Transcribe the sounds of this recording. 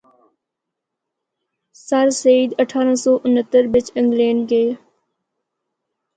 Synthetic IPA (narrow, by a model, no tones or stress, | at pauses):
səɾsəiːd̪əʈʰaːɾãsɔːʔʊnət̪ːəɾʋɪt͡ʃɪ̃ŋɡleːnɡeː